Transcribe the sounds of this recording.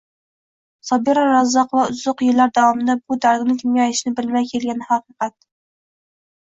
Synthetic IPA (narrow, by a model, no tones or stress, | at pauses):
sɒbiɾɑɾɑzːɑqʰovɑʊzʊqjɪlːæɾd̪awɒmɪd̪abʊd̪aɾd̪ɪnɪŋkʲʰɪmjʲɑjɪʃnɪbɪlmæjkʲʰelɡʲanɪhɑqɨqʰɑt̪̚